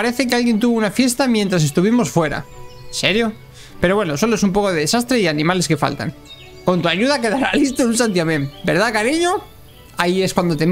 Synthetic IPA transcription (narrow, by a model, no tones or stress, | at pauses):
aɾe̞θekealɣje̞nt̪̬uβunafje̞st̪amjent̪ɾase̞st̪uβimo̞sfwe̞ɾa̰se̞ɾjo̞ | pe̞ɾowe̞noso̞loe̞sumpo̞ko̞ðeðe̞sast̪ɾe̞ianĩmale̞ske̞fa̰lt̪a̰ŋ | ko̞nt̪uaʝuðake̞ðaɾalist̪oulsant̪̬jamẽmbe̞ɾð̞akaɾiɲo̞ | aie̞skwand̪o̞t̪e